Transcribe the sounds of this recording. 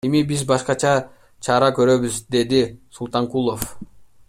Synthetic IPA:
e̞mibizbɑʃqɑt͡ʃʰɑ | t͡ʃʰɑɾɑkø̞ɾø̞βyzd̪e̞d̪isulˠt̪ɑŋkulˠo̞f

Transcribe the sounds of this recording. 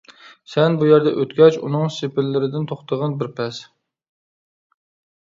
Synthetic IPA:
sɛnbujɛɾd̪ɛʔøt̪ɡʲɛt͡ʃṵnɨŋsepʰɪɾlːɪɾɪd̪ɪnt̪ʰoχt̪ʰəʁɑnbɪɾpʰɛs

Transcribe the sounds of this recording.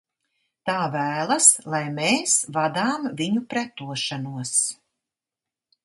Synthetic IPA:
t̪aːvæːlˠaslˠajmeːsvad̪aːmviɲupɾɛt̪uɔʃanuɔs

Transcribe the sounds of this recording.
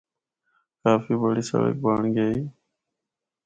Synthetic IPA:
kaːfiːbəɽiːsə̰lə̰k̚baːɳɡəiː

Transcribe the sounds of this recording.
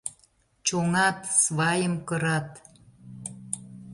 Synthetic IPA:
t͡ɕoŋɑt̪sβɑjəmkəɾɑt̪

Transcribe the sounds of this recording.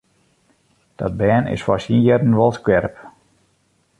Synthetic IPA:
d̥ɔt̚bɛːnɪ̰sfɔsinjɛɾənʋɔlˠskʋɛɾp

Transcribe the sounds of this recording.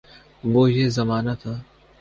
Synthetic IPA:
ʋoːjeːzəmaːnat̪ʰaː

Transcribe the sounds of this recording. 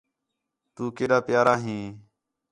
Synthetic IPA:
t̪uːkeːɗaːpɪjaːɾaːɦĩː

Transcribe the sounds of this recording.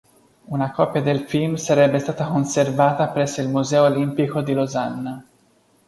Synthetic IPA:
unakɔpjad̪elfilmsaɾɛbːest̪aːt̪akonservaːt̪apɾɛsːoilmuzɛːoːlimpikod̪ilozanːa

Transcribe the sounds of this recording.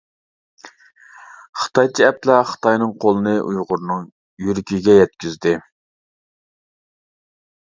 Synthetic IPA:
χə̥t̪ɑjt͡ʃʰiɛp̚lɛχə̥t̪ɑjnɨŋqʰolˠɨnɨʔujʁʊɾnɨŋ | jyɾkʲiɡʲɛjɛt̪̚kʲyzd̪ɪ

